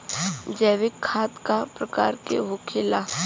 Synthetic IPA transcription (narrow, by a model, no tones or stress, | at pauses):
d͡ʒɛːʋɪkʰːaːt̪kapɾəka̰ːɾkḛɦokʰɪla